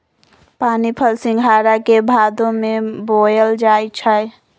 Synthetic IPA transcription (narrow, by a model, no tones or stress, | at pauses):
panipʰəlsĩŋɡʱaɾakebʱad̪õmebojəld͡ʒajt͡ʃʰəj